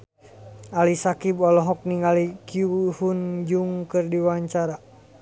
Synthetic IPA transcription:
alisakibɔlɔɦɔk̚niŋalikiuhund͡ʒuŋkɨrdiwaɲt͡ʃaɾa

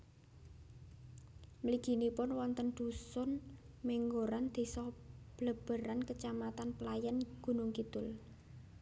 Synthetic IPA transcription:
mliɡ̥i̤nipʊnwɔnt̪ənd̪̥usʊn | meŋɡoɾand̪̥e̤sɔb̥ləb̥ə̤ɾankət͡ʃamat̪anpəlajanɡ̥ṳnʊŋkit̪ʊl

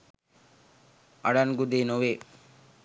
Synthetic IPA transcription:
aɽanɡud̪enoʋe

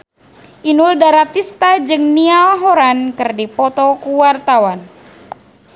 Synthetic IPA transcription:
ʔinuldaɾat̪ist̪ad͡ʒɨŋnialɦɔɾankɨrdipɔt̪ɔkuwart̪awan

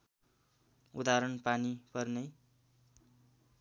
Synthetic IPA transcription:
ud̪aɾʌnpanipʌrnʌj

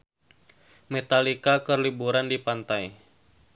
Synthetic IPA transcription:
mɛt̪alikakərlibuɾandipant̪aj

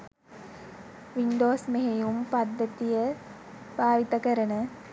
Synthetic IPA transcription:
ʋinɖoːsmeɦejumpad̪ːət̪ijə | b̥ʱaːʋit̪əkəɾənə

